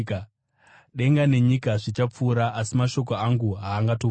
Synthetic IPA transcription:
k | ɗe̞ŋɡane̞ɲikaʐit͡ʃap͡fuːɾaʔːsimaʃo̞k̬oaŋɡuɦaːŋɡato

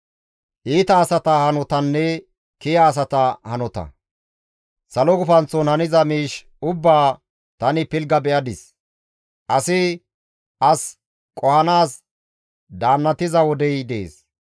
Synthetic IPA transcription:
ʔiːt̪ɐːsɐt̪ɐhɐnɔt̪ɐnːɛ | kɪjɐːs̬ɐt̪ɐhɐnɔt̪ɐ̰ | sɐlɔɡʊfɐnt͡sːɔnhɐnɪzɐmiːʃ | ʊbːaː | t̪ɐnɪpɪlɡɐbɛʔɐd̪ɪs | ʔɐsɪ | ʔɐs | kʼɔhɐnaːs | d̪aːnːɐt̪ɪzɐwɔd̪ɛjd̪ḛːs

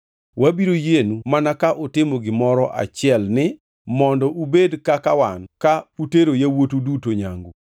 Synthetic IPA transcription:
wabiɾojenumanakaʔotɪmoɡɪmɔɾɔʔa̰t͡ʃɪɛlnɪ | mɔndɔʔubedkakawankauteɾojawotudutoɲa̰ŋɡo

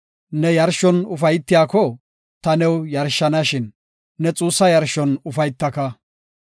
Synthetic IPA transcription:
nɛjɐɾʃɔnʊfɐjt̪ːɪjaːkɔ | t̪ɐnɛwjɐɾʃːɐnɐʃɪnː | ɛt͡sʼuːsːɐjɐɾʃɔnʊfɐjt̪ːɐkɐ

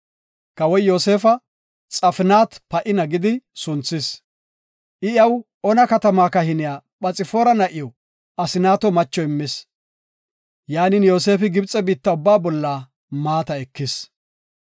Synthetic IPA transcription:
kɐwɔjjo̞ːse̞ːfɐ | t͡sʼɐfɪnaːt̪pɐʔɪnɐɡɪd̪ɪsʊnt͡sːɪs | ʔɪjɐw | ɔnɐkɐt̪ɐmaːkɐhɪnɪjaːɓɐt͡sʼɪfoːɾɐnɐʔɪjɔ | ɐsɪnaːt̪ɔmɐt͡ʃːɔɪmːɪs | jaːnɪnjo̞ːse̞ːfɪɡɪbt͡sʼɛbiːt̪ːɐʊbːaːbɔlːaː | maːt̪ɐɛkːɪs

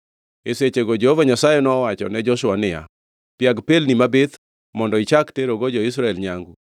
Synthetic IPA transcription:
eset͡ʃeɡod͡ʒehovaɲasajɛnɔwat͡ʃɔ̰nɛd͡ʒɔʃʊwanɪja̰ | pjaɡpelnimabɪt̪ | mɔndɔit͡ʃakteɾoɡod͡ʒɔɪs̬ɾaɛlɲaŋɡu

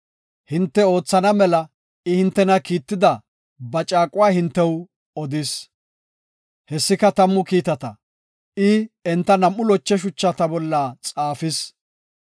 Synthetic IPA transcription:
hɪnt̪ːɛo̞ːt͡sːɐnɐmɛlɐ | ɪhɪnt̪ːɛnɐkiːt̪ːɪd̪ɐ | bɐt͡ʃʼaːkʼʊwaːhɪnt̪ːɛw | ɔd̪ɪs | hɛsːɪkɐt̪ɐmːʊkiːt̪ɐt̪ɐ | ɪɛnt̪ːɐnɐmːʊlɔt͡ʃːɛʃ̬ʊt͡ʃːɐt̪ɐbɔlːat͡sʼaːfɪs

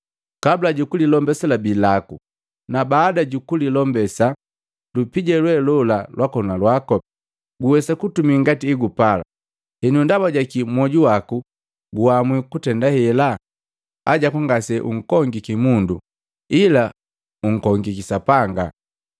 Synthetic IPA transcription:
kabulaɟukulilɔmbɛsalabilaku | nabaːdaɟukulilɔmbɛsa | lupiɟɛlwɛlɔlalwakɔnalwakɔb | ɡuwɛsakutumiŋɡatiːɡupala̰ | hɛnundabaɟakimwɔɟuwaku | ɡuamwikutɛndahɛla | aɟakaŋɡasɛʔṵŋ̩kɔŋɡikimundu | ila | uŋ̩kɔŋɡikisapaŋɡa̰

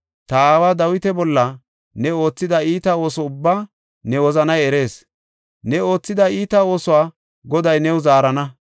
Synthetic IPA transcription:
t̪ɐaːwaːd̪ɐwɪt̪ɛbɔlːɐ | nɛo̞ːt͡sːɪd̪ɐiːt̪ɐo̞ːsɔʊbːaː | nɛwɔzɐnɐjɛɾe̞ːs | nɛo̞ːt͡sːɪd̪ɐiːt̪ɐo̞ːsʊwaː | ɡɔd̪ɐjnɛwʊzaːɾɐnɐ

